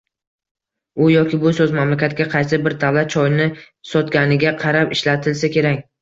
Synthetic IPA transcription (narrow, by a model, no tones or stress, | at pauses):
ʊjɒkʲɪbʊsɵzmamlakʲat̪̚kʲaqʰɑjsɪbɪɾd̪avlat̪̚t͡ʃʰɒjnɪ | sɒt̪ɡʲanɪɡʲaqʰɑɾapɪʃlat̪ʰɪlsakʲʰe̞ɾakʲ